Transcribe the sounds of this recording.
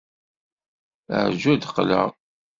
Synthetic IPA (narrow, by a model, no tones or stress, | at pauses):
ə̰ʕʒæd̪qːlə̰